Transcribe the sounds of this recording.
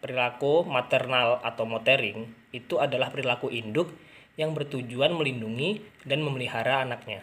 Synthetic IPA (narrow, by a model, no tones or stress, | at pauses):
pəɾilakumat̪ɛrnalat̪awmot̪eɾɪŋ | it̪uadalahpəɾilakuʔindʊk̚ | jaŋbərt̪ud͡ʒuanməlinduŋidanməməliɦaɾaːnak̚ɲa